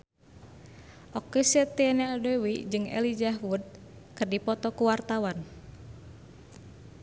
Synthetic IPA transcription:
ʔɔkːesɛt̪eɛnɛadɛwid͡ʒɨŋɛ̰lid͡ʒaɦwud̪̚kɨrdipɔt̪ɔkuwart̪awan

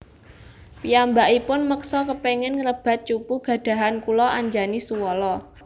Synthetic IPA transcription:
piambaʔipʊnməksɔkəpeŋɛnŋələb̥a̤t̪̚t͡ʃupuɡ̥ä̤d̪̥ä̤ɦankulɔʔaɲd͡ʒanisuwɔlɔ

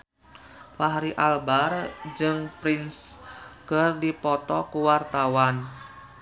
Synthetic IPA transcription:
faɦaɾiʔalbard͡ʒɨŋpɾinskərdipɔt̪ɔkuwart̪awan

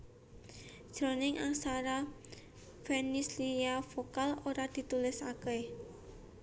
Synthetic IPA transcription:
d̥ʒ̥ɾo̤nɪŋʔaŋsaɾa | fenisliafokaloɾad̪̥i̤t̪ulɪsakɛ

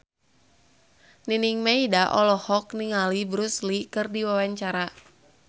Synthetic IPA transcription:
niniŋmaidaʔɔlɔhɔkniŋalibɾuslikɨrdiwawaɲt͡ʃaɾa

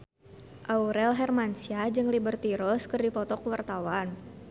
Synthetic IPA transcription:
ʔauɾɛlɦɛrmansiad͡ʒɨŋlibərt̪iɾɔskɨrdipɔt̪ɔkəwart̪awan

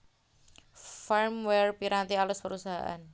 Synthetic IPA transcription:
faɾmwɛrpiɾat̪ialʊspəɾusaɦa̰ʔa̰n

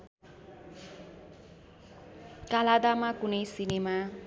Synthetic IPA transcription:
kalad̪amakunʌjsinema

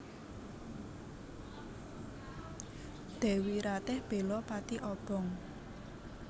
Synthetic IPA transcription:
d̪̥e̤wiɾat̪ɪhb̥e̤lɔpat̪iʔɔb̥ɔ̤ŋ

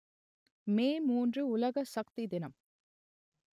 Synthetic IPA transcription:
meːmuːndrɯʊlɐɣɐsɐkt̪id̪ɪnɐm

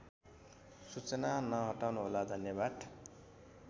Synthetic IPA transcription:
sut͡sʌnanʌɦʌʈawnuɦolad̪ʱʌnjʌbad̪

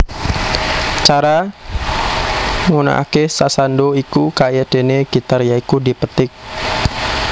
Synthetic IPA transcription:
t͡ʃaɾa | ŋuna̰ʔa̰kesasandoikukajad̥e̤neɡ̥it̪arjaikudipət̪ɪk̚

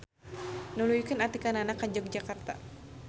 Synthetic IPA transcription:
nulujkənat̪ikananakːad͡ʒɔk̚d͡ʒakart̪a

